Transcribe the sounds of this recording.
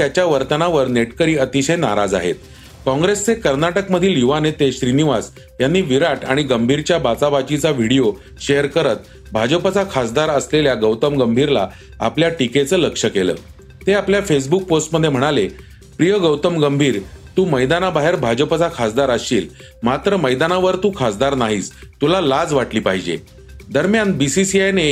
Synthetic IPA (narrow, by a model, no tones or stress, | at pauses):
t̪jat͡ɕjaʋəɾt̪ənaʋəɾneʈkəɾiːət̪iɕəjnaɾad͡za̰ɦḛt̪̚ | kɔ̃ŋɡɾest͡sekəɾnaʈəkməd̪ʱiluʋanet̪eɕɾiniʋas | janːiːʋiɾaʈaɽ̃iɡəmbʱiɾt͡ɕjabat͡saʋat͡ɕit͡saʋ̤ʱiɽijo | ɕejəɾkəɾət̪̚ | bʱad͡ʑəpat͡sakʰasd̪aɾəsleljaɡəwt̪əmɡəmbʱiɾla̰ | a̰pljaʈiket͡səːləkʂəkelə̰ː | t̪eapljafes̬buk̚posʈməd̪ʱːjem̤əɽ̃ale | pɾijəɡəwt̪əmɡəmbʱiːɾt̪uːməjd̪anabaɦeɾbʱad͡ʑəpat͡sakʰasd̪aɾəsḭːl | mat̪ɾəməjd̪anaʋəɾt̪uːkʰasd̪aɾnaɦiːst̪ulalad͡zʋaʈliːpaɦid͡ʑḛ | d̪əɾmjanbisisiajne